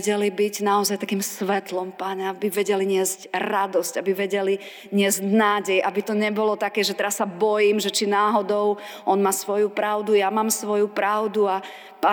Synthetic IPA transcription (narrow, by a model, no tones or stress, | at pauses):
ɟɛlibiɟnaɔzajt̪akiːmsʋɛt̪lɔmpaɲɛabiʋɛɟɛliɲɪɛzcɾad̪ɔscabiʋɛɟɛli | ɲɪɛzɟnaːɟɛjʔabit̪ɔɲɛbɔlɔt̪akɛːʒɛt̪ɛɾasːabɔjiːmʒɛt͡ʃinaːɦɔd̪ɔʊ | ʔɔnmaːsʋɔjupɾaʊd̪ujamaːmsʋɔjupɾaʊd̪ua | pa